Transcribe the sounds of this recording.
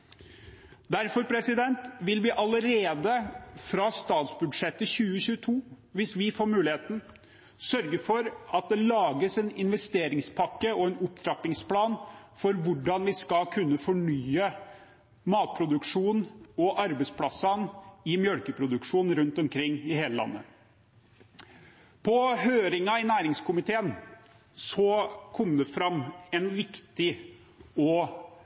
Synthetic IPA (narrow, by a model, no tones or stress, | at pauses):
d̪æɾfɔɾpʰɾɛsɪd̪ɛnt̪ʋɪlʋɪʔɑləɾeːd̪əfɾɑst̪ɑːt̪sbʉd̪ʂɛt̪ːəçʉːəçʉːət̪ʰuː | ʋɪsʋɪfoːɾmʉːlɪheːt̪n̩ | sœɾɡəfɔɾɑt̪̚d̪ɛlɑːɡəsɛnɪnʋɛst̪eːɾɪŋspʰɑkːəɔɛnʊpd̪ʰɾɑpɪŋspʰlɑːnfɔɾʋʊɖɑnʋɪskɑlkʰʉnːəfɔɳyːə | mɑːt̪̚pʰɾʊd̪ʉkʂuːnɔʔɑɾbəspʰlɑsɑnɪmjœɽkəpʰɾʊd̪ʉkʂuːnn̩ɾʉnt̪ɔmkʰɾɪŋːɪheːləlɑ̰nːə̰ | pʰɔɦøːɾɪŋɑɪnæːɾɪŋskʊmɪt̪ʰeːən | sɔkʰɔmːd̪ɛfɾɑmːɛnʋɪkt̪ɪ | ɔ